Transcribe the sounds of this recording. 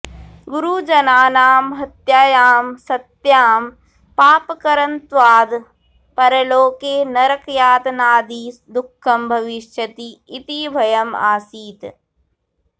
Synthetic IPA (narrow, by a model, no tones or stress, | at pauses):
ɡuɾud͡ʒɐnaːnaːmɦɐt̪jaːjaːmsɐt̪jaːm | paːpɐkɐɾɐnt̪ʋaːd̪ | pɐɾɐloːkeːnɐɾɐkjaːt̪naːd̪id̪ukʰːɐmbʱɐʋiʃjɐt̪iːt̪ibʱɐjɐma̰ːsiːt̪